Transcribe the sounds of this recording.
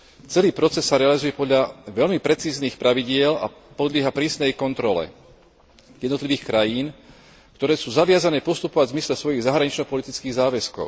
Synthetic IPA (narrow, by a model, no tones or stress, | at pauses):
t͡sɛliːpɾɔt͡sɛsːaɾɛalizujɛpɔd̪ʎaʋɛʎmipɾɛt͡siːzniːxpɾaʋiɟɪɛla̰ | pɔd̪lɪɛɦapɾiːsnɛjkɔnt̪ɾɔlɛ̰ | jɛd̪nɔt̪liʋiːxkɾajiːn | kt̪ɔɾɛːsuːzaʋɪazanɛːpɔst̪upɔʋaɟzmislɛsʋɔjiɣzaɦɾaɲit͡ʃnɔpɔlit̪it͡skiːɣzaːʋɛskɔ̰ʊ